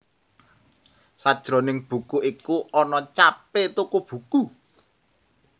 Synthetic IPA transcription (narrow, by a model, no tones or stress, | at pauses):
sad̥ʒ̥ɾɔ̤nɪŋb̥ṳkuʔikuʔɔnɔt͡ʃapɪt̪ukub̥ṳku